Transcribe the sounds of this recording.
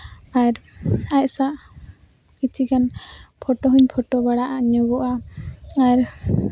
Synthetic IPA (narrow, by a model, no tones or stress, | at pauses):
aɾac̚saʔ | kit͡ʃʰikanpʰɔʈɔɦuɲpʰɔʈɔbaɽaʔaʔɲɔɡɔʔa | aɾ